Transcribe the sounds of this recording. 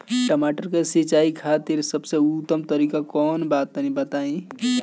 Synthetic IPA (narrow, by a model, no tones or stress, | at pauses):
ʈəmaʈəɾkesit͡ʃaikʰat̪eɾsəbseut̪ːəmt̪əɾikakɔːnbat̪̚ːənibət̪aĩ